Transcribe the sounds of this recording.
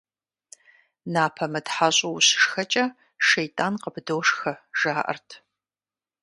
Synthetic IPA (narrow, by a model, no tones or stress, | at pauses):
naːpʰɐmɐdħaɕʼɐwɕɪ̥ʂxɐt͡ʃʼɐ | ʃejtʼaːnqəbdoːʂxɐʒ̥aːʔɐ̰rtʰ